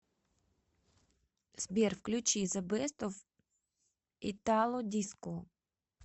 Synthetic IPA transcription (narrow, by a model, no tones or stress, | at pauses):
z̥bʲirfklʲʊt͡ʃizɐbɪst̪ɔw | it̪ɑlˠɔd̪ʲiskɔ